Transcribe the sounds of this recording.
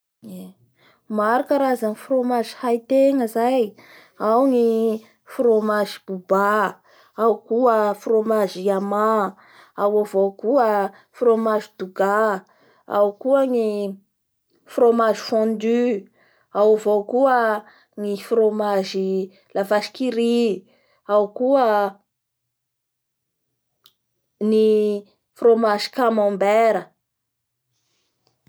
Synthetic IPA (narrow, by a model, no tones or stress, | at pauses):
e | maɾukəɾazaŋifromaʒi̥hajt̪eŋəzaj | awŋi | fromaʒib̥uba | awkuəfromaʒiama | awavowkuə | fromaʒid̪̥uɡa | a̰wkuəŋi | fromaʒi̥fɔ̃nd̪y | awavowkuə | ŋifromaʒi | lavaʃi̥kiɾi | awkuə | ni | fromaʒi̥kamɔ̃mbeɾə